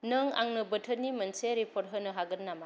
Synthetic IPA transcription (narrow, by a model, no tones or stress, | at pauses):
nɯŋa̰ŋnɯbətʰənːimɐnseɾipʰɔɾɦɯnɯɦaɡɯɾnama